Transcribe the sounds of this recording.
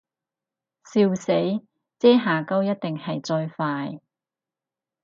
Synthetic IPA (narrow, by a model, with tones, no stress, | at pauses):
siː˧wse˨˥j | t͡sɛː˥ɦaː˨kɐ˥wjɐ˥t̚t̪ɪ˨ŋhɐ˨jt͡sɔː˧jfaː˧j